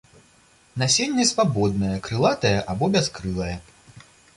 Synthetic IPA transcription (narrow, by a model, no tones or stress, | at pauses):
nasʲenʲːɛsvabɔd̪̚nɐjɐkɾɨlˠat̪ɐjɐʔabɔbʲaskɾɨlˠɐjɐ